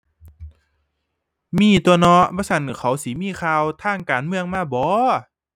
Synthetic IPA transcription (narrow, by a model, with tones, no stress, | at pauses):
miː˧˥˩t̪u˧ənɔ˧˥ʔbɔː˧˦sa˧˩n˨˩kʰa˨˩˦wsiː˨˦miː˧˥˨xʰaː˧wt̪ʰaː˧˥˩ŋkaː˨nmɯ˧˨əŋmaː˧˩˨bɔː˨˦